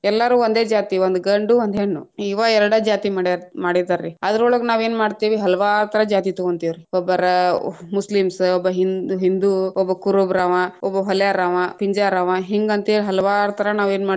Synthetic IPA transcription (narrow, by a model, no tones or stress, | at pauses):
ɛlːɐɾuːond̪eːd͡ʒaːt̪iʋond̪uɡɐɳɖuond̪eɳːṵiːʋaɛɾɐɽad͡ʒaːt̪imaɽmaːɽid̪aɾːiad̪ɐɾɔɭɐɡnaːʋe̞ːnmaːɽt̪iːʋiɦɐlɐʋaːɾut̪ʰɐɾɐd͡ʒaːt̪it̪oɡont̪iʋɾiɔbːɐɾɐmuslimsɔbːɐɦinɦind̪uɔbːɐkuɾubɾaːʋɐɔbːɐɦɔljaɾaːʋɐpiɲd͡ʒaɾaːʋɐɦiŋɡɐnt̪iʋɾɦɐlɐʋaːɾut̪ʰɐɾɐnaːʋeːnmaː